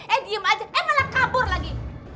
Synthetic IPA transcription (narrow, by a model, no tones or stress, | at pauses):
ɛdiəmad͡ʒaʔɛmalakabʊrlaɡi